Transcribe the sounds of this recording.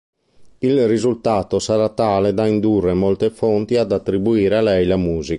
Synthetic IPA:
ilrizult̪aːt̪osaɾat̪aːled̪aind̪urːemolt̪efont̪iad̪at̪ːɾibuiːɾealɛjlamuːzi

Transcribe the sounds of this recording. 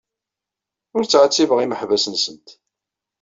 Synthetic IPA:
ʊɾt͡sːʕət͡sːivəʁiməħvæsənsənt̪

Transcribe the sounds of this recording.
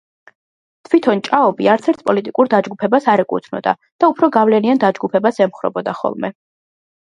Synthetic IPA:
t̪ʰwit̪ʰɔnt͡ʃʼaɔbiaɾt̪sʰɛɾt̪ʰpʼɔlit̪ʼikʼuɾd̪ad͡ʒɡupʰɛbasaɾɛkʼṵt̪ʰnɔ̰d̪a̰ | d̪̥aupʰɾɔɡavlɛniand̪ad͡ʒɡupʰɛbasɛmχɾɔ̰bɔd̪aχɔ̰lˠmɛ

